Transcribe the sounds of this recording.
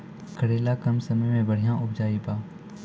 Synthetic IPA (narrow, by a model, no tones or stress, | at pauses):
kʰəɽeːlaːkəmsəməjmẽːbəɽ̤ɪjãːʔʊbd͡ʒaːiːbaː